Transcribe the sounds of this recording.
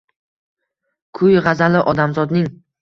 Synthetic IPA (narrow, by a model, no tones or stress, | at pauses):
kʰʊjʁɑzalɪʔɒd̪amzɒd̪nɪŋ